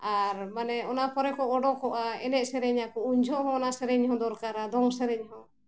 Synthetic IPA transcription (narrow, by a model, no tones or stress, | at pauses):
aɾmanɛɔnapʰɔɾɛkɔʔɔɖɔkɔʔaɛnɛʔsɛɾɛɲakɔuɲd͡ʒʱɔɦɔ̃ːnasɛɾɛɲhɔ̃d̪ɔɾkaɾad̪ɔŋsɛɾɛɲɦɔ̃